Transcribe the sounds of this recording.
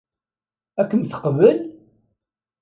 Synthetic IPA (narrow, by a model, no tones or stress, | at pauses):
ækːəmθə̥qvəl